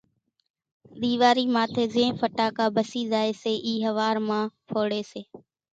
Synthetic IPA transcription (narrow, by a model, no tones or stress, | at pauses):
ɗ̪iːʋaːɾiːmaːt̪ʰeːzẽːfəʈaːkaːbʱəsiːzaːeːseːʔiːɦəʋaːɾmãːpʰoːɽeːseː